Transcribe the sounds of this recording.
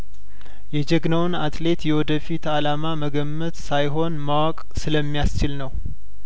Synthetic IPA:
jɛd͡ʒɛɡnəwɨnat̪le̞t̪jɛwɔd̪əfit̪alamaməɡəmːət̪sajɦo̞nmawakʼsɨləmːijast͡ʃɪlnəw

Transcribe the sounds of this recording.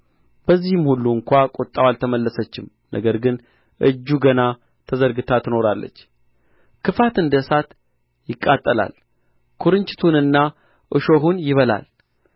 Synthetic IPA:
b̥əzːihɨmhulːuɨŋkʷakʼot̪ʼːawalt̪ʰəməlːəsət͡ʃːɪm | nʔə̰ɡəɾɡɨn | ʔɨd͡ʒːuɡəna | t̪ʰəzəɾɡɨt̪ʰat̪ʰːɨno̞ɾalːə̰t͡ʃː | kʰɨfat̪ɨnd̪əsat̪ | jɪkʼːat̪ʼːəla̰l | kʰuɾɨɲt͡ʃʼɪ̥t̪ʰunɨnːa | ʔɨʃoɦunjɪβəla̰l

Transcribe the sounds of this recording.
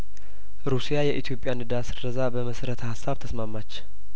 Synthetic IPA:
ɾusijajɛʔit̪ʰjo̞pʼjanɨd̪asɨrəzabəməsəɾət̪ʰəhasːaβt̪ʰəsmamːat͡ʃː

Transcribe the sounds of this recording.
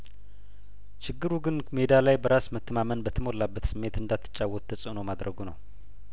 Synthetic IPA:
ʃɪɡːɨɾuɡɨnme̞d̪alajbəɾasmət̪ːəmamənbət̪ʰəmo̞lːabːət̪sɨmːe̞t̪ɨnd̪at̪ʰːɨ̥t͡ʃʼːawːɔt̪ːʰəsʼənomad̪ɾəɡunə̰w

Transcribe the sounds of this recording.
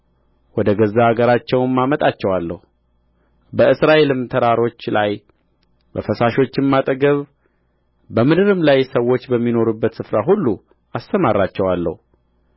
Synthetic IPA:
wɔd̪əɡəzːaaɡəɾat͡ʃːɛwnmːamət̪ʼat͡ʃːɛwalːə̰hu | bəɨsɾaʔe̞lɨmt̪ʰəɾaɾo̞t͡ʃːlaj | bəfəsaʃo̞t͡ʃːɪmːat̪ʼəɡəβ | bəmɨd̪ɨɾɨmlajsəwːo̞t͡ʃːbəmːino̞ɾubːət̪sɨfɾaɦulːu | ast̪əmarːat͡ʃːɛwalːə̰hu

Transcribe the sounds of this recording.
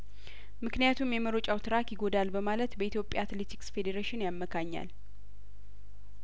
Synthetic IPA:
mɨknijat̪ʰumjɛməɾo̞t͡ʃʼawt̪ʰɨɾakjɪɡo̞d̪albəmalət̪bəit̪ʰjo̞pʼja̰at̪le̞t̪ʰi̥ksfe̞d̪eɾeʃɪnjamːəkʰaɲːa̰l

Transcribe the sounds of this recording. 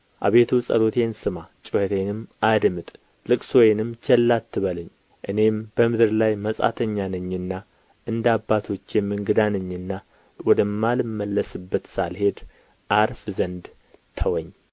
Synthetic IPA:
ʔa̰βe̞t̪ʰusʼə̰lo̞t̪ʰe̞nsɨmat͡ʃʼɨhət̪ʰe̞nɨmʔad̪mɨt̪ʼ | lɨkʼsojnɨmt͡ʃʰɛlːat̪ːɨβələɲː | ʔɨne̞mb̥əmɨd̪ɨɾlajməsʼa̰t̪ʰəɲːanəɲːɨnːa | ʔɨnd̪abːat̪ʰo̞t͡ʃːjɛmːɨŋɡɨd̪anəɲːɨnːa | wɔd̪əmːalɨmːəlːəsɨbːət̪salhe̞d̪ | ʔaɾfzənd̪ | t̪ʰəwɔɲː

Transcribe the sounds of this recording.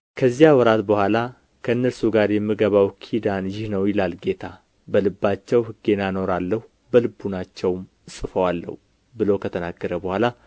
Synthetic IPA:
kʰəzːijawɔɾat̪bəhʷala | kʰəɨnːəɾsuɡaɾjɛmːɨɡəβawkʰid̪anjɪhnəwjɪlalɡe̞t̪ʰa | bəlɨbːat͡ʃːɛwhɨɡe̞nano̞ɾalːəhu | bəlɨbːunat͡ʃːɛwm | sʼɨfəwalːə̰hu | bɨlokʰət̪ʰənaɡːəɾəbəhʷala

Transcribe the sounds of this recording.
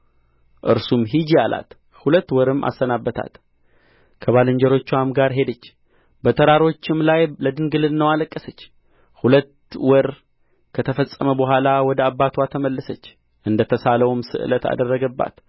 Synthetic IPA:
ʔɨɾsumɦid͡ʒiala̰t̪ | hulət̪ːwɔɾɨma̰sːənabːət̪ʰa̰t̪ | kʰəβalɨɲd͡ʒəɾo̞t͡ʃːwamɡaɾɦe̞d̪ət͡ʃː | bət̪ʼʰəɾaɾo̞t͡ʃːɪmlajləd̪ɨnɡɨlɨnnəwaləkʼːəsət͡ʃː | hulət̪ | wɔɾ | kʰət̪ʰəfəsʼːəməbəɦʷalawɔd̪əabːat̪ʰwat̪ʰəməlːəsət͡ʃː | ʔɨnd̪ət̪ʰəsaləwmsɨ̰ʔɨ̰lət̪a̰d̪ərːəɡəbːa̰t̪

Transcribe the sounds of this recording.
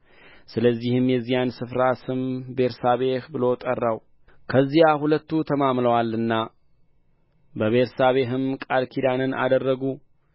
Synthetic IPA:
sɨləzːihɨmjɛzːijansɨfɾasɨmbe̞ɾsaβe̞hbɨlo̞t̪ʼərːaw | kʰəzːijahulət̪ːut̪ʰəmamləwalɨnːa | bəβe̞ɾsaβe̞ɦɨmkʼalkʰid̪anɨnʔa̰d̪ərːəɡu

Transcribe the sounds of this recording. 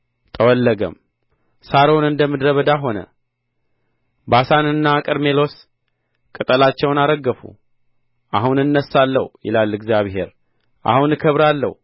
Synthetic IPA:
t̪ʼʰəwɔlːəɡə̰m | saɾonɨnd̪əmɨd̪ɾəβəd̪aɦo̞nə̰ | basanɨnːakʼɨɾme̞lo̞s | kʼɨt̪ʼəlat͡ʃːɛwnaɾəɡːəfṵ | ʔahunɨnːəsalːə̰hjɪ̰lalɨɡzjaβɦe̞̰ɾ | ʔa̰hunɨkʰəβɾalːə̰h

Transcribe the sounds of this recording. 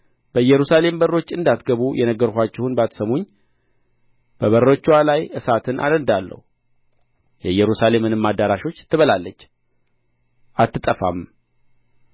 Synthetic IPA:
b̥əɨjːɛɾusale̞mbəro̞t͡ʃːɨnd̪at̪ɡəβujɛnəɡːəɾkʷat͡ʃːɛhunbəat̪ʰsəmoɲː | b̥əβəɾot͡ʃːwalajʔɨsat̪ʰɨnʔa̰d̪ənd̪alːə̰hu | jɛjɛɾusale̞mːɨnɨmːad̪ːaɾaʃo̞t͡ʃːt̪ʰːɨβəlalːət͡ʃː | ʔat̪ːɨt̪ʼəfa̰m

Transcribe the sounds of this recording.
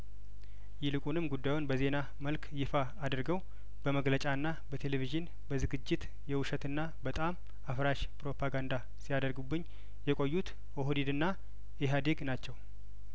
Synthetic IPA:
jɪlɨkʼunɨmɡud̪ːajunbəze̞na | məlkʰjɪfaːd̪ɨɾɡəw | b̥əməɡlət͡ʃʼaɨnːabət̪ʰe̞leviʒɨn | bəzɨɡɨd͡ʒːɪt̪ | jɛwʊʃət̪ɨnːa | bət̪ʼam | afɾaʃpʼɾo̞pʰaɡand̪a | sijad̪əɾɡubːɨɲː | jɛkʼojːut̪ | oɦod̪id̪ɨnːa | eɦad̪eɡnat͡ʃːɛw

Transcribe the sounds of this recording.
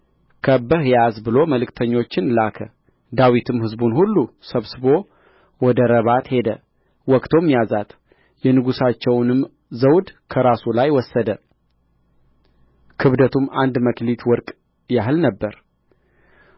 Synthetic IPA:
kʰəbəhjazbɨlo̞məlɨkt̪ʰəɲːo̞t͡ʃːɪnlakʰə | d̪awit̪ʰɨmhɨzbunhulːusəβsɨbo̞ | wɔd̪əɾəβat̪he̞d̪ə | wɔkt̪ʰo̞mjazat̪ʰ | jɛnɨɡusat͡ʃːɛwnɨm | zəwd̪kʰəɾasulajwɔsːəd̪ə | kʰɨβd̪ət̪ʰumʔand̪məklit̪ʰwɔɾkʼ | jaɦɨlnəbːəɾ

